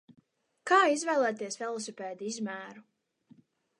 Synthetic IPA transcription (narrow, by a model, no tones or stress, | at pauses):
kaːizvæjlˠɛːt̪iɛsfɛlˠɔsɔpʲɛːd̪iizmæːɾu